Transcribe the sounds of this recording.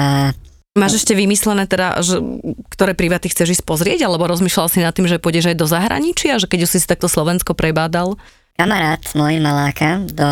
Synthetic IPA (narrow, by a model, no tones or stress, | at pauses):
a | maːʒɛʃcɛʋimislɛnɛːt̪ɛd̪a̰ʒɛkt̪ɔɾɛːpɾiʋat̪ixt͡sɛʒiːsc̚pɔzɾɪɛɟalɛbɔɾɔzmiːʃlalsinat̪ːimʒɛpʊɔɟɛʒajd̪ɔzaɦɾa̰ɲit͡ʃɪaʒɛkɛɟusisi̥t̪ak̚t̪ɔslɔʋɛnskɔpɾɛbaːd̪al | kamaɾaːt̪mɔjimalaːkʰad̪ɔ